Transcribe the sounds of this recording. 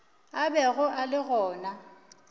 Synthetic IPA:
abɛɣʊʔalɪɣɔːna

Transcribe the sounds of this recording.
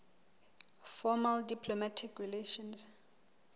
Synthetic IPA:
fɔmaldipʰlɔmatʰikʰrileʃɔns

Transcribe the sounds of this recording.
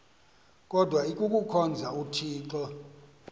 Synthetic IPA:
kʼɔdʱwaikʼukʼukʰɔnd͡zʱautʰiːǁɔ

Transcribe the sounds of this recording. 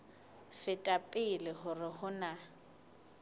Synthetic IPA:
fɪtʼapʼɪlɪɦʊrɪhʊna

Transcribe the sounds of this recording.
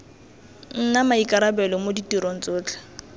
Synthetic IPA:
n̩namaikʼaɾabɛlɔmoditiɾon̩t͡sʊːt͡ɬʼḁ

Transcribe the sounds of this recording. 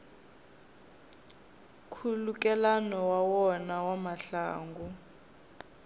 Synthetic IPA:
kʰuluk̬ʼɛlanɔwawɔnawamaɬa̰ːŋɡɔ

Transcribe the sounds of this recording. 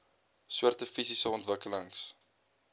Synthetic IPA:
swərtəfisisəɔntvəkələŋs

